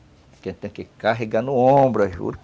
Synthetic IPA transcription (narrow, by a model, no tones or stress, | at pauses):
kẽt̪ẽkekaɦeɡãnuõbɾɐʒṵɾ